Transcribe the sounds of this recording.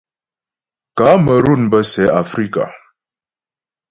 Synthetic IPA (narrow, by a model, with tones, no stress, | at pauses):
kaː˨˦mə˨ɾu˦˨nbə˦sɛ˨˦a˨fɾi˦ka̰˨